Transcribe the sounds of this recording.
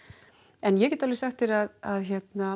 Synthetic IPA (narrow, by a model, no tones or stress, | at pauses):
ɛnjɛcɛːt̪ːalɪsɛxt̪ɪɾaðaðçɛt̪na